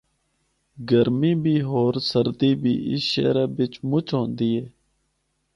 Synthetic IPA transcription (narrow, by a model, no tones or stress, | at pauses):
ɡəɾmiːbʱiːɦoːɾsəɾd̪iːbʱḭːʔɪ̰sʃḛːɾeːbɪt͡ʃmʊt͡ʃʰɦõːnd̪iːɦeː